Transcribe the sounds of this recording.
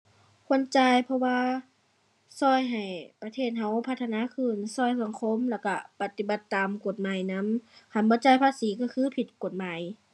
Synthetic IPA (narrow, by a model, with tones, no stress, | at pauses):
kʰo˧˥ə˨nt͡ɕaː˧˩jpʰɔ˧waː˧ | sɔː˧˩jɦa˨˩jpa˧t̪ʰeː˧˩t̪̚ɦa˧˥wpʰa˧t̪ʰːa˧naː˧˥˨kʰɯː˧˩nsɔː˧˩jsa˨˧˦ŋkʰo˧˥˨mlɛ˧˩wka˧˩pa˧t̪i˧˦ba˧˦t̪ːaː˨mko˨˩t̪̚maː˨jna˧˥˨mkʰa˧˩nbɔː˧˦t͡ɕaː˧˨jpʰaː˧˥siː˨˦ka˧˩kʰɯː˧˥˨pʰi˨˧˩t̪̚ko˨˩t̪̚maː˨˦j